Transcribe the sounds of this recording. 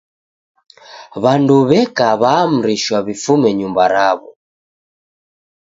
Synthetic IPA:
βanduβɛkaβaːm̩ɾiʃwaβifumɛɲumbaɾaβɔ

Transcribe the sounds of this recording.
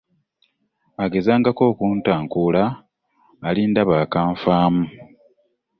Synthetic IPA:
aɡe̞zaːŋɡako̞ːkuːntaːŋkulaː | liːndaβaːkaːɱfaːmu

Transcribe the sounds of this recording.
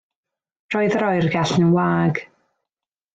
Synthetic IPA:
d̥rɔɨðɾɔjrɡaɬnəwaːɡ̥

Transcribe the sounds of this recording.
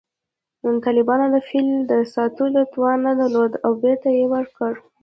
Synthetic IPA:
nunt̪ɑlɪbɑnod̪əfilmd̪əsɑt̪ud̪ət̪wɑnːəd̪əɾlod̪awbeɾt̪ajewəɾkəɽ

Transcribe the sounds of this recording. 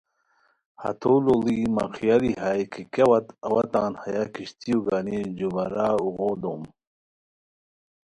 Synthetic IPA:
hɐ̰t̪ʰoːlolima̰qʰijaliɦajkʰikawɐt̪ɐwɐt̪a̰ːnhajakiɕt̪ijuɡaːnid͡ʑubɐɾaːuɣoːd̪oːm

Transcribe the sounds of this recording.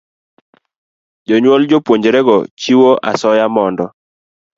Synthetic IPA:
d͡ʒɔɲwold͡ʒopwoɲd͡ʒeɾɛɡɔt͡ʃiwoʔasɔjamɔndɔ

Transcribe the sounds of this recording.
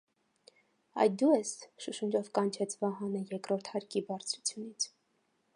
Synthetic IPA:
ɑ̰jd̪uɛsʃuʃund͡ʒɔvkɑnt͡ʃʰɛt͡sʰvɑɦɑnəjɛkɾɔɾt̪ʰhɑɾkibɑɾt͡sʰɾut͡sʰjunit͡sʰ

